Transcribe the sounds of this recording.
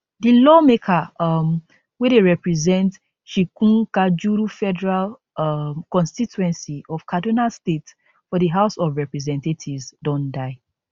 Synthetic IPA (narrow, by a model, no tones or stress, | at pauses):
dilɔmekʰam | wedeɹɛpɹizɛ̃nt | ʃikũŋkad͡ʒuɾufɛdɛɹal | kɔ̃nstituɛ̃nsiɔv̥kʰadonalstet | fɔdiɦaʊsɔvɹɛpɹizɛ̃ntatʰivzdɔ̃ndaɪ